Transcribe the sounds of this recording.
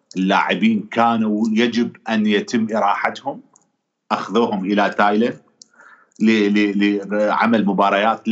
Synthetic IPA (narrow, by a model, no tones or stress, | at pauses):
ʔɪlːa̰ːʕɪbiːnkʰaːnujad͡ʒɪbʔanjat̪ɪmːʔɪɾˤɑːħat̪hʊm | ʔaxðuːɦʊmʔɪlat̪aːjlan | lllʕa̰malmʊbɑːɾˤɑjaːt̪l